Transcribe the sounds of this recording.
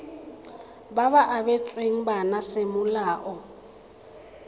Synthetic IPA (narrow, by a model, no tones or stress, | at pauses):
baβaʔaβɛt͡sʼweŋ̩banasemʊlaːʔɔ